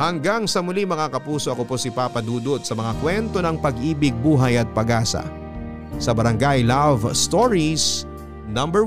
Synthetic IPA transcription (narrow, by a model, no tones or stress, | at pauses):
hɐŋɡaŋsɐmʊliŋmɐŋakɐpuːso̞ʔɐko̞po̞sipapɐd̪uːd̪ot̪̚sɐmɐŋakwɛnt̪o̞nɐŋpɐɡʔiːbɪɡ̚buːɦɐjɐt̪̚pɐɡaːsɐ̰ | sɐbɐɾɐŋɡajlavst̪oɹis | nɐ̃mbɛ